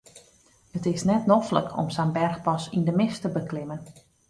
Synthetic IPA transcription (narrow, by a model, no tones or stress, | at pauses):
ətɪsnɛtnɔflə̰kʰɔ̰msanbɛrxpɔsindəmɪstəbəklɪmən